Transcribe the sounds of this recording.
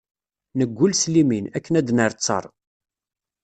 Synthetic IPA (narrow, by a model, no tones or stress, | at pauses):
nəɡʷːʊlsliminækːənæd̪nəɾt͡sːɑ̰ɾˤ